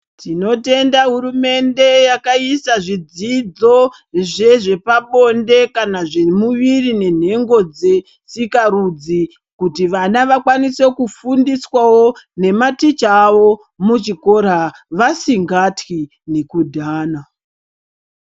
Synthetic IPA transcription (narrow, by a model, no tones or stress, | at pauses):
tino̞te̞ndaɦuɾume̞nde̞jakaisaʐid͡zid͡zo̞ | ʐe̞ʐe̞paɓo̞nde̞kanaʐe̞muʋirine̞n̤e̞ŋɡo̞d͡ze̞ | sikarud͡zi | kutiʋanaʋakwanise̞kufundiswawone̞matit͡ʃaʋo̞ | mut͡ʃiko̞r̤aʋasiŋɡatwi | ne̞kudʱaːna